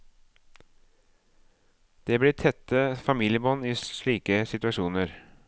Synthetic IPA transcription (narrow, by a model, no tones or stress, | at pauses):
d̪̥eːblɪːt̪ʰɛt̪ːəfɑmiːlɪəbɔnːiːɭiːkəsɪt̪ʉɑʃuːnəɾ